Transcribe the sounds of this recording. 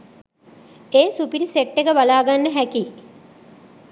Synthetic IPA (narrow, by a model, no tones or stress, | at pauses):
eːsupiɾiseʈːekəbalaːɡanːəɦæki